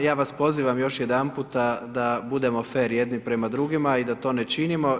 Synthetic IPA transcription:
jaːʋaspo̞ziːʋamjo̞ʃjed̪anput̪ad̪abud̪e̞mo̞feːɾjed̪nipɾemad̪ɾuɡimaid̪at̪o̞ːnet͡ʃinimo̞

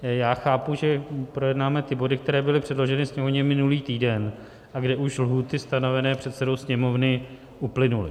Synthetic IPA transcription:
jaːxaːpuʒɛpɾo̞jɛdnaːmɛt̪ɪbo̞dɪkt̪ɛɾɛːbɪlɪpr̥ɛdlo̞ʒɛnɪsɲɛmovɲɛmɪnuliːt̪iːdɛn | ʔaɡdɛʔuʃlɦuːt̪ɪst̪ano̞vɛnɛːpr̥ɛt̪sɛdo̞wsɲɛmo̞vnɪ | ʔuplɪnulɪ̰

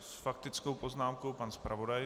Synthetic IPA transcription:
sfakt̪ɪt͡skowpo̞znaːmkowpanspɾa̰vo̞daj

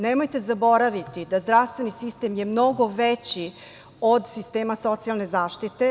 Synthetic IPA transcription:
nemojt̪e̞zabo̞ɾaʋit̪id̪azd̪ɾaʋst̪vʋe̞nisist̪e̞mjemno̞ɡo̞ʋet͡ɕi | od̪sist̪e̞ːmaso̞t̪sialne̞zaːʃt̪it̪e̞

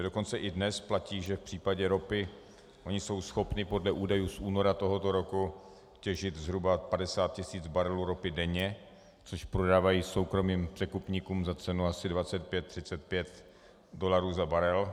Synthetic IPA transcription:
do̞kont͡sɛʔɪdnɛsplaciːʒɛfpr̥iːpaɟɛɾo̞pɪ | ʔo̞ɲɪso̞wsxo̞pnɪpo̞dlɛʔuːdajuːsʔuːno̞ɾat̪o̞ɦo̞t̪o̞ɾo̞ku | cɛʒɪt̪zɦɾubapadɛsaːt̪̚cɪsiːd͡zbaɾɛluːɾo̞pɪdɛɲɛ | t͡soʃpɾo̞daːvajiːso̞wkɾo̞miːmpr̥ɛkupɲikuːmzat͡sɛnuasɪdvat͡sɛt̪̚pjɛt̪ːr̝̥ɪt͡sɛt̪̚pjɛt̪ | do̞laɾuːzabaɾɛl

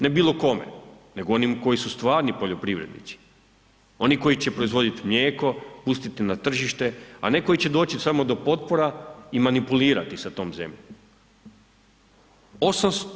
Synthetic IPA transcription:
ne̞biːlˠo̞ko̞me̞̰ne̞ɡoo̞nimko̞jisust̪ʋaːɾnipo̞ʎo̞pɾiʋɾe̞d̪nḭt̪si̥ | o̞niko̞it͡ɕe̞pɾo̞izʋo̞d̪it̪imʎe̞ːko̞pust̪it̪inat̪r̩ʒiʃt̪e̞a̰ne̞ko̞it͡ɕe̞d̪o̞ːt͡ɕisamo̞d̪o̞po̞t̪̚poɾaimanipuliːɾa̰t̪isat̪o̞ːmze̞̰mʎom | o̞sams

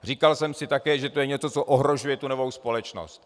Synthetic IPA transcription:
r̝iːkalsɛmsɪt̪akɛːʒɛt̪ojɛɲɛt͡sot͡so̞ʔoɦɾo̞ʒujɛt̪uno̞vo̞wspo̞lɛt͡ʃno̰st̪

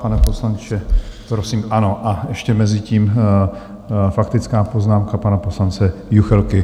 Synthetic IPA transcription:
panɛpo̞slant͡ʃɛpɾosiːmʔano̞ʔaɛʃcɛmɛzɪciːm | fakt̪ɪt͡skaːpo̞znaːmkapanapo̞slant͡sɛjuxɛlkɪ

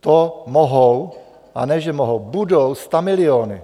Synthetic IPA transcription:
t̪omoɦow | ʔa̰nɛʒɛmoɦowbudowst̪amɪlɪoːnɪ̰

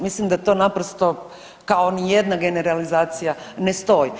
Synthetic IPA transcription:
mislimd̪at̪o̞napɾost̪o̞ | kao̞nije̞d̪naɡe̞ne̞ɾalizaːt̪sijanest̪o̞ːji

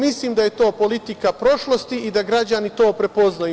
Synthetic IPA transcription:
misliːmd̪aje̞t̪o̞ːpo̞lit̪ikapɾo̞ʃlo̞st̪iid̪aɡɾad͡ʑanit̪o̞ːpɾe̞po̞znaj

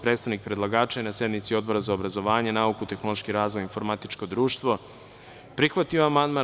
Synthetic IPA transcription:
pɾe̞ːt̪st̪aʋnik̚pɾed̪lˠaɡaːt͡ʃaenasje̞d̪mit̪sio̞d̪̚bo̞ɾazaobɾazo̞ʋaːɲenaukut̪e̞xnolˠoʃkiɾaːzʋojinfo̞ɾmat̪it͡ʃko̞d̪ɾuːʃt̪ʋo̞ | pɾixʋat̪ioamand̪ma

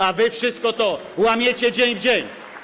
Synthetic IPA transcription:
avɘfʂɘst̪̚kɔt̪ɔ | wamʲjet͡ɕɛd͡ʑeɲvd͡ʑeɲ

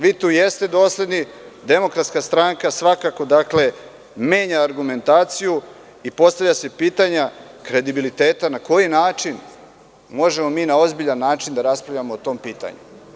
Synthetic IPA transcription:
ʋiːt̪uːje̞st̪e̞d̪o̞ːslʲed̪nid̪e̞mo̞kɾat̪skast̪ɾaŋkasʋakako̞d̪akle̞ | me̞ːɲaːɾɡume̞nt̪aːt̪siju | ipo̞st̪avʎʲase̞piːt̪aɲakɾe̞d̪ibilit̪e̞ːt̪anako̞jinaːt͡ʃin | mo̞ʒe̞mo̞miːnao̞zbiʎanːaːt͡ʃind̪aɾaspɾavʎamoːt̪o̞ːmpiːt̪a̰ɲṵ

